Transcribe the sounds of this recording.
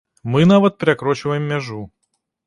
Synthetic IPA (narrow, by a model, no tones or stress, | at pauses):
mɨnavət̪̚pʲɾʲɪɐkɾot͡ɕɪvəjɪmːʲɛʐu